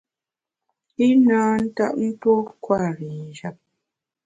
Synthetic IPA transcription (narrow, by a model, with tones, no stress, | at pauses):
i˦naː˨˦n̩˦ta̰˦ʔ̚n̩˦two˦kwa˦˨ɾi˨n̩˨d͡ʒa˨p̚